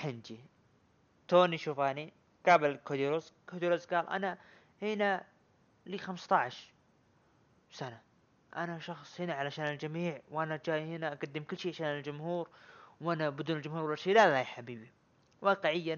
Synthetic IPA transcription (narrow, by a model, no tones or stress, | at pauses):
ħɪnd͡ʒi | t̪oːniʃuːfʔani | ɡ̥abɪlkod̪iɾozkod̪iɾozɡaːlʔa̰na | hɪna | liːxamst̪ɑʕʃ | sana | ʔa̰naʃɑxsˤhɪnaʕalaʃaːnɪld͡ʒamiːʕwʔanad͡ʒaːjhɪnaʔaɡad̪ːɪmkʊlːʃiːʕaʃaːnɪld͡ʒʊmhuːɾwʔanabɪd̪uːnɪld͡ʒʊmhuːɾwalaʃiːlalajħabiːbi | wɑːqɪʕɪjːa